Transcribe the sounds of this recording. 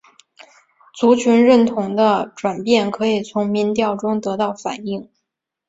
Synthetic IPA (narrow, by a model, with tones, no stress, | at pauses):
t͡su˧˥t͡ɕʰy˧˥nɻə˥˩nt̪ʰʊ˧˥ŋd̪ə˧ʈ͡ʂwa˨˩npjɛ˥˩nkʰɤ˧˥i˨˩t͡sʰʊ˧˥ŋmi˧˥nt̪jɑ˥˩ʊʈ͡ʂʊ˥ŋt̪ɤ˧˥t̪ɑ˥˩ʊfa̰˨˩ni˥˩ŋ